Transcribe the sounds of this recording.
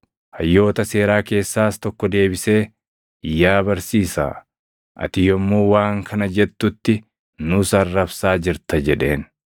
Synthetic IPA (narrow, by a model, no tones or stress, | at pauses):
hɐjːo̞ːt̪ɐse̞ːɾaːke̞ːsːaːst̪ɔkːɔd̪e̞ːbɪse̞ː | ɪjːaːbɐɾsiːsa̰ː | ʔɐ̰t̪ɪjɔmːuːwaːŋkʰɐnɐd͡ʒɛt̪ːʊt̪ːɪ | nʊsɐrːɐbsaːd͡ʒɪɾt̪ɐd͡ʒɛᶑe̞ːn